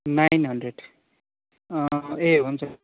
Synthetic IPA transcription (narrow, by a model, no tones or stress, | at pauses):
najnɦʌnɖreɖ | eɦunt͡sʰʌ